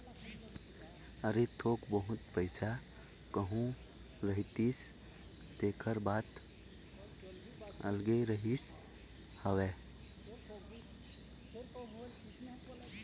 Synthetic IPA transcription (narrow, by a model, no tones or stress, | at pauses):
əɾet̪ʰokbəɦut̪pəɪsʰa | kəɦũ | ɾəɦit̪is | t̪ekʰəɾbat̪ | ə̰lɡeɾəɦis | həwe